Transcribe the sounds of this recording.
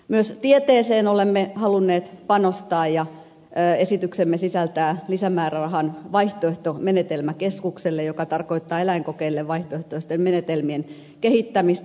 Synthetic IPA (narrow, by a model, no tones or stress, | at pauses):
myøst̪iet̪eːseːnolemːehɑlunːeːt̪pɑnost̪ɑːjjɑ | esit̪yksemːesisælt̪æːlisæmæːrærɑhɑnʋɑiht̪oeht̪omenet̪elmækeskukselːejokɑt̪ɑrkoit̪ːɑːelæiŋkokeilːeʋʋɑiht̪oeht̪oest̪emmenet̪elmien | kehit̪ːæmist̪